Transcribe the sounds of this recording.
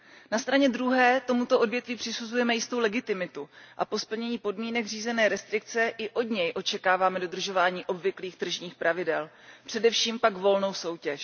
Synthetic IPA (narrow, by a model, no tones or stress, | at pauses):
nast̪ɾaɲɛdɾuɦɛːt̪o̞mut̪o̞ʔo̞dvjɛt̪viːpr̝̥ɪsuzujɛmɛjɪst̪o̞wlɛɡɪt̪ɪmɪt̪uʔa̰po̞spl̩ɲɛɲiːpo̞dmiːnɛɡriːzɛnɛːɾɛst̪ɾɪk̚t͡sɛʔɪʔo̞dɲɛjʔo̞t͡ʃɛkaːvaːmɛdo̞d̪r̩ʒo̞vaːɲiːʔo̞bvɪkliːxt̪r̩ʒɲiːxpɾʔavɪdɛl | pr̥ɛdɛfʃiːmpaɡvo̞lno̞wso̞wcɛʃ